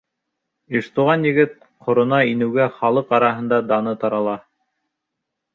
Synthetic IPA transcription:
iʃt̪uʁɑnjɘ̆ɡɘt̪̚ | qʰŏɾŏnɑinɘ̆wɡæχɑlˠɤqɑɾɑɦɤ̆nd̪ɑd̪ɑnɤt̪ɑɾɑlˠɑ

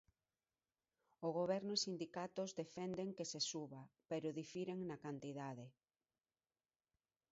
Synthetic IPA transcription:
oɣ̞oβɛɾnosind̪ikat̪ozðefɛnd̪eŋkesesuβapeɾʊðifiɾeŋnakant̪iðaðe

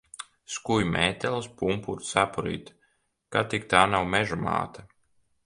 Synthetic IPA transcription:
skujmɛːt̪ɛlˠspumpuɾt̪sapuɾḭːt̪ | kat̪ikt̪aːnawmɛʒuma̰ːt̪a

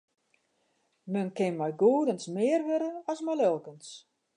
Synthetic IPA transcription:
mənkɪnmɛjɡuːdənsmɪərʋøɾəɔsmajlølˠkəns

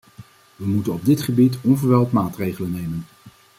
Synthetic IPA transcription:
ʋəmutənɔb̚dɪtχəbitɔnvəɹʋɛlˠtmaːtrejχələnːejmən

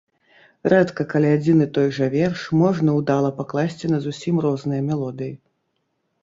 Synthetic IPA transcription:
rat̪kɐkɐlʲiad͡zʲinɨt̪ɔjʐɐvʲɛrʂmɔʐnɐwd̪alˠɐpaklˠasʲt͡sʲinɐzusʲimrɔznɨjɐmʲɛlˠɔd̪ɨji

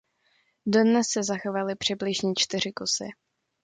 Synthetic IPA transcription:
dodnɛsːɛzaxovalɪpr̝̥ɪblɪʒɲɛt͡ʃt̪ɪr̝ɪkosɪ̰

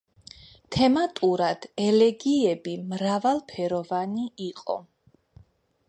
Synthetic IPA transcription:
t̪ʰɛmat̪ʼuɾad̪̥ɛlɛɡiɛbimɾavalˠpʰɛɾɔvaniiqʼɔ̰

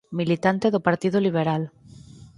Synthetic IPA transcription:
milit̪ant̪eðopaɾt̪iðoliβ̞eɾal

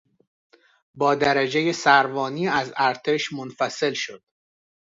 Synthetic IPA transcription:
bɒːd̪æɾæd͡ʒeje̞sæɾvɒːniːæzæɾt̪ʰe̞ʃmonfæse̞lʃo̞̰d̪̥̚

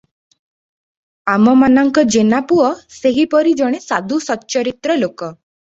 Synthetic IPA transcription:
amɔmanɔŋkɔd͡ʒenapuɔseɦipɔɾid͡ʒɔɽ̃esad̪ʱusɔt͡ʃɔɾit̪ɾɔlokɔ

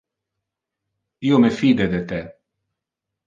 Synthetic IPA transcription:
iːomefiːd̪ed̪et̪e

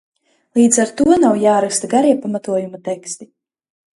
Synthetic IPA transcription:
lˠiːd̪zaɾt̪uɔnawjaːɾakst̪aɡaɾiɛpamat̪uɔjumat̪ɛkst̪i

